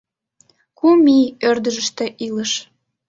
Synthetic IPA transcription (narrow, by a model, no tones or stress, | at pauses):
kumiørd̪əʒəʃt̪ĕʔiləʃ